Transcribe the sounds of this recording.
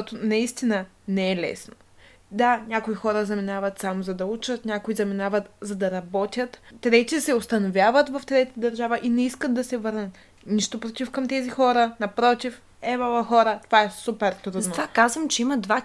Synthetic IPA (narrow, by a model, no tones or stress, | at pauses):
ɔt̪ʊnɐist̪inə | nɛɛlɛ̰sno | d̪anʲakoixɔɾəzɐminavɐt̪samozɐd̪ɐut͡ʃət̪nʲakʊizɐminavət̪zɐd̪ɐɾɐbɔt̪ʲjət̪t̪ːɾɛt̪ʲisɛʊst̪ɐnovʲjavət̪vɐft̪ɾɛt̪əd̪ɐɾʒavəʔinɛiskət̪̚d̪ɐsɛvɤɾnət̪ | niʃt̪opɾot̪ifkɐmt̪ɛzixɔɾənɐpɾɔt̪if | ɛbalˠəxɔɾət̪ovaɛsupɛɾt̪ɾud̪ɐnt̪ovakazvəmt͡ʃɛiməd̪va